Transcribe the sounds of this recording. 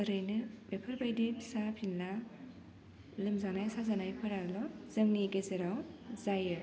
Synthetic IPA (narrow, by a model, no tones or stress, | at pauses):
əɾɯjnɯbepʰɯɾbajdipsapʰinla | lɯmzanajsazanajpʰɯɾaɾlɔzɐŋniɡezeɾawzajɯ